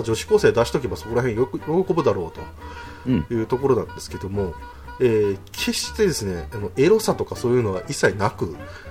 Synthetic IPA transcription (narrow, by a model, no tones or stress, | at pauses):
d͡ʑo̞ɕi̥ko̞ːse̞ːd̪aɕi̥t̪o̞k̬ʲe̞baso̞ko̞ɾaɦẽɰ̃jjoɾoko̞bɯ̟d̪aɾo̞ːt̪o̞ | jɯ̟ːt̪o̞ko̞ɾo̞nã̰nd̪e̞sɨ̥ke̞d̪o̞mo̞ | eːkʰe̞ɕi̥t̪e̞d̪e̞sɨne̞ano̞e̞ɾo̞sat̪o̞kaso̞ːjɯ̟ːno̞βaʔisːainakɯ̟